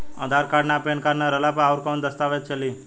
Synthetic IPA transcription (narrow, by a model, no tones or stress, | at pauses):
ə̰d̪ʱaɾkaɖnapeɳkaɾnaɾəlapəɾauɾkawnd̪əst̪aʋet̪̚t͡ʃʰəli